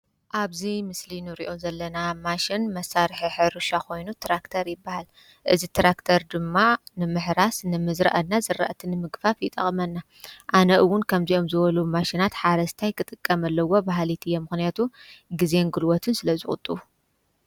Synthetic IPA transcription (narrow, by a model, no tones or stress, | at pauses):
ʔaβzimɨslinɨɾḭʔo̞zɐlːɐnamaʃɪnmɐsːaɾħiħɨɾuʃakʰo̞jnut̪ʰɾakt̪ʰɐɾjɪbːahal | ʔɨzit̪ʰɾakt̪ʰɐɾd̪ɨmːanɨmɨħɾasnɨmɨzɾɐ̰ʔɐnːazɨrːa̰ʔt̪ʰinɨmɨɡfafjɪt̪ʼɐ̰χʼmɐnːa | ʔanɐʔɨwːʊnkʰɐmziʔo̞mzɨβɐlumaʃinat̪ħaɾɐst̪ʰajkɨt̪ʼɨkʼːɐmɐlːɐwo̞baɦlit̪ʰɨjːemɨxnijat̪ʰuɡizenɡɨlwɔt̪ʰɨnsɨlɐzɨxʼʊ̰t̪ʼːɨu